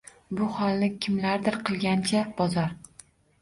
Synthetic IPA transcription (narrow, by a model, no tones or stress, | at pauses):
bʊhɒlˠnɪkʲʰɪmlaɾd̪ɪɾqʰɨlˠɡʲant͡ʃʰab̥ɒzɒɾ